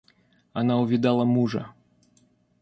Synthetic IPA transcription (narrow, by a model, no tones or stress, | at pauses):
ɐnaʊvʲɪd̪alˠəmuʐə̰